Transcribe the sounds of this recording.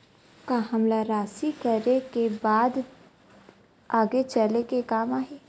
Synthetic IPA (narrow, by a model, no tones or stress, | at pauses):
kaɦɐmlaɾaːsikɐɾekebaːd̪ | aːɡet͡ʃəlekekaːmaːɦeː